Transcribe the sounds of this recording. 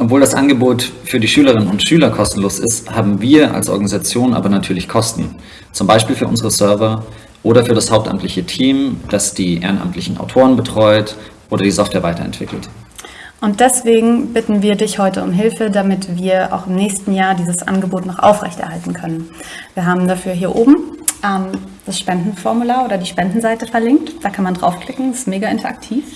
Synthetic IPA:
ʔɔpvoːldasʔa̰nɡəboːtfyːɐdiːʃyːləʁ̞ɪnənʊntʃyːlɐkʰɔstn̩loːsɪ̰sthaːbm̩viːɐʔa̰lsʔɔ̰ɐɡanizat͡sjoːnʔa̰ːbɐnatʰyːɐlɪçkʰɔstn̩ | t͡sʊmbaɪʃpiːlfyːɐʔʊ̰zəʁəsœɐvɐ | ʔoːɾɐfyːɐɾashaʊp̚ta̰mtlɪçətʰiːmd̥asd̥iːʔḛːʁənʔa̰mtʰlɪçn̩a̰ʊtʰoːʁənbətʁ̥ɔʏtʔoːɾɐdiːzɔftv̥ɛːɐvaɪtʰɐ̰ɛ̰ntv̥ɪ̰kl̩t | ʔʊnt̚d̥ɛsv̥eːɡŋ̩bɪtn̩viːɐdɪçhɔʏtəʊ̰mɦɪlfədamɪtv̥iːɐʔa̰ʊxɪmnɛːçstn̩jaːɐdiːzəsʔa̰nɡəboːtnɔχʔa̰ʊfʁɛ̰çtɛ̰ɐɦaltn̩kʰœnən | viːɐɦaːbm̩dafyːɐɦiːɐʔoːbm̩ʔɛmd̥asʃpɛndn̩fɔɐmulaːɐʔoːdɐdiːʃpɛndn̩zaɪtəfɛɐlɪŋk̚td̥aːkʰanmandʁa̰ʊfkʰl̥ɪkŋ̩ɪstmeːɡaɪntɐʔa̰k̚tʰiːf

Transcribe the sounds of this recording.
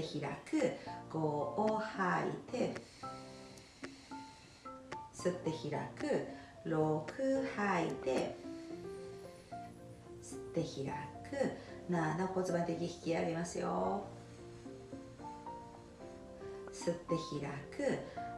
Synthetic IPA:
eçiɾa̰kɯ̟ɡ̥o̞ːohaḭt̪ʰe̞ | sɨt̪ːe̞çiɾa̰kɯ̟ | ɾokʰɯ̟hait̪e̞ | sɨ̥t̪ːe̞çiɾakɯ̟nanoko̞t͡sɨbant̪ekʲçi̥kʲiaɡemasɨjo̰ | sɨt̪ːe̞çiɾakɯ

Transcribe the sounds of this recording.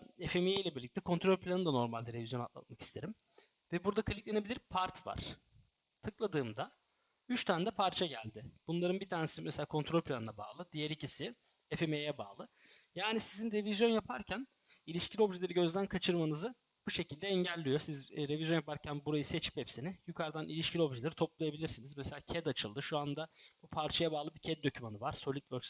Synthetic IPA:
efemejejlʲɛbiɾlʲict̪ʰɛkʰo̞nt̪ɾo̞lʲpʰlʲanɯd̪ano̞ɾmalʲd̪ɛɾe̞vizjo̞na̰t̪lˠa̰t̪̚maki̥st̪ʰe̞ɾim | vɛbuɾd̪akʰalʲictlʲe̞ne̞bilʲiɾpʰaɾt̪va̰ɾ̥ | t̪ʰɯklˠad̪ɯːmd̪a | yt͡ʃt̪ʰænd̪ɛpʰaɾt͡ʃʰaɟælʲd̪ɪb̥unlˠaɾɯnbit̪ʰaːnesimeselʲaːkʰo̞nt̪ɾo̞lʲpʰlʲanɯnaba̰ːlˠɯd̪ijɛɾicisɪ | efe̞mejɛba̰ːlˠɯ | jaːnisizinɾe̞vizjo̞njapʰaɾcʰæn | ilʲiʃcʰilʲo̞bʒilʲeɾiɟø̞zd̪ænkʰat͡ʃʰɯɾmanɯzɯ | buʃe̞cʰilʲd̪ɛɛɲɟælʲːijo̞sizɾe̞vʲizʲjo̞njapaɾcʰænbuɾajɯse̞t͡ʃʰi̥pepsinɪjukʰaɾd̪anilʲiʃcilʲo̞bʒilʲeɾit̪ʰo̞plˠajabilʲiɾsinizmɛselʲaːcʰɛd̪at͡ʃʰɯlˠd̪ɯʃuand̪abupʰaɾt͡ʃʰajabaːlˠɯbicʰɛd̪̚d̪o̞cʰymanɯvaɾ̥so̞lʲit̪vøɾs

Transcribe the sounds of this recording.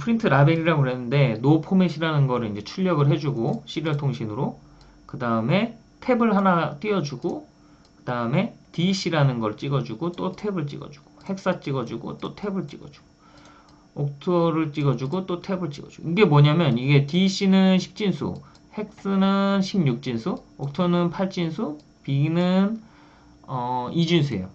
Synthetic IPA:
pʰɯɾintʰɯɾabeɾiɾaɡoɾenːɯnde̞nopʰomeɕʰiɾanɯnɡʌɾɯɾind͡ʑe̞t͡ɕʰuʎːʌɡɯɭɦe̞d͡ʑuɡoɕ͈iɾɯɭtʰoŋɕʰinɯɾo | kɯdaɯme̞ | tʰe̞bɯɭhanat͈iʌd͡ʑuɡo | kɯdaɯme̞tiɕ͈ʰiɾanɯnɡʌɾɯɭt͡ɕ͈iɡʌd͡ʑuɡot͈otʰe̞bɯɭt͡ɕ͈ḭɡʌ̰d͡ʑu̥ɡ̥ohe̞k̚s͈at͡ɕ͈iɡʌd͡ʑuɡo̰t͈otʰe̞bɯɭt͡ɕ͈ḭɡʌd͡ʑu̥ɡ̥o̥ | ok̚tʰoɾɯɭt͡ɕ͈iɡʌd͡ʑuɡot͈otʰe̞bɯɭt͡ɕ͈ḭɡʌd͡ʑuɡo̰iɡe̞moɲamjʌniɡe̞tiɕ͈ʰinɯnɕʰi̥k̚t͡ɕ͈insʰṵ | he̞k̚s͈ɯnɯnɕʰimɲuk̚t͡ɕ͈insʰuok̚tʰonɯnpʰaɭt͡ɕ͈insʰu | pinɯn | ʌid͡ʑinsʰuḛjo

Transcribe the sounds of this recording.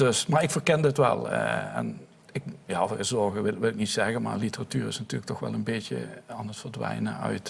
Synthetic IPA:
dɵsmaːɹɪkfəɹkɛndəɪtʋɛ̰lˠɛ̰n | ɪkjaːvəəzɔɹɣəʋɪlʋɪlɪknitsɛɣənma̰ːɹlitəratyːɹɪsnatyːləktɔxʋɛ̰lˠənbetə̰aːnətfəɹdʋɛ̰jnə̰œ̰ɥt

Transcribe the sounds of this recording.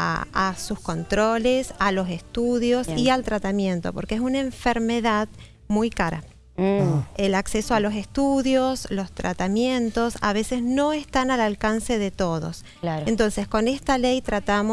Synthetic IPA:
a̰a̰susko̞nt̪ɾo̞lesalo̞sest̪uðjo̞sialt̪ɾat̪amjẽ̞nt̪o̞po̞ɾkees̬unaeɱfeɾmeðað | mujkaɾa̰ | elaksesoalo̞s̬e̞st̪uðjo̞slo̞st̪ɾʔa̰t̪amje̞nt̪o̞sa̰β̞e̞sezno̞est̪analalkanse̞ðet̪o̞ðo̞̰s | laɾent̪o̞nsesko̞nest̪alejt̪ɾat̪am

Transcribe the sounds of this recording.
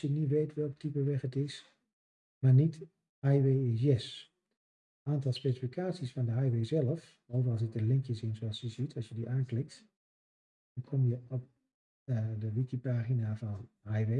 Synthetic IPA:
sjənitʋejtʋɛlˠk̚tipəʋɛχətɪs | maːɹnit | hajʋejɪsjɛs | ʔaːntɑlˠspejsifikʰaːtsisfɑndəɦajʋejzɛləf | owvərɑlˠs̬ək̚dəlɪŋkjəsɪnzoɑsjəzitʰɑsjədiʔaːnklɪk̚t | dɑnkʰɔmjəɔp̚ | dəʋikipaːχinavɑnɦajʋe

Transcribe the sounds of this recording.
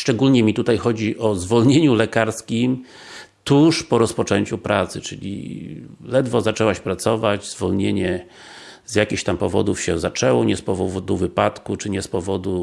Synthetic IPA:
ʂt͡ʂɛɡulɲɛmʲit̪ut̪ajxɔd͡ʑiʔɔzvɔlɲeɲulɛkaɾskʲim | t̪uʂpɔɾɔspɔt͡ʂɛɲt͡ɕupɾat̪sɘt͡ʂɘ̰lʲḭ | lɛd̪vɔzat͡ʂɛwaɕpɾat̪sɔvad͡ʑzvɔlɲeɲɛ | zʲjakʲixt̪ampɔvɔ̰d̪ufɕɛzat͡ʂɛwɔɲɛspɔvɔvɔd̪uvɘpat̪kut͡ʂɘɲɛspɔvɔd̪u

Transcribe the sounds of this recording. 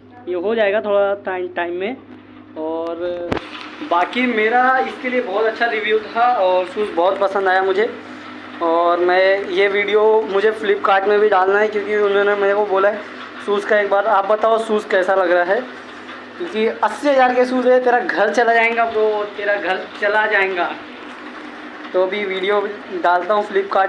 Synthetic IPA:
jeɦod͡ʒaːeːɡat̪ʰoːɽaaʈaɪmʈaːɪmːẽ | ɔːɾ | baːkimeːɾaɪskeliebɔːʊt̪ɐtːʃʰaɾɪʋjut̪ʰaɔːɾsuːsbɔːʊt̪pɐsə̃nd̪aːjamʊd͡ʒʱe | ɔːɾmɛ̃ːjeʋiːɖijomʊd͡ʒʱeflɪpkaːɾʈmẽbʱiɖaːlnaɦɛkjõːkiʊnɦõnemɛnekoboːlae | suːskaeːkbaːɾaːp̚bɐt̪aːosuːskɛːsalɐɡɾaaɦɛː | kjõːkiɐsːiɦɐzaːɾkesuːzɦɛt̪eːɾaɡʱɐɾt͡ʃɐlad͡ʒaːẽːŋɡat̪oːt̪eːɾaɡʱɐɾt͡ʃɐlad͡ʒaːẽːɡa | t̪oɐbʱiʋiːɖijo | ɖaːlt̪aɦũfɪlɪpkaːɾʈ

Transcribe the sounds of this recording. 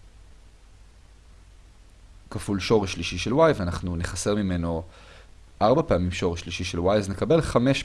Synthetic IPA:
kafulʃo̞ʁeʃːliʃiʃelwajvanaχnuneχase̞ʁmime̞no̞ | ʔaʁbapeamimʃo̞ʁeʃːliʃiʃelwajzne̞kabe̞lχame̞ʃ

